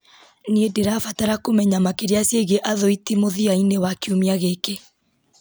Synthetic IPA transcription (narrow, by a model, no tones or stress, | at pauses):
niedeɾaːfataɾakomɛɲamakeɾeasjeɣeʔaðɔitimoðiainewakiumiaɣeke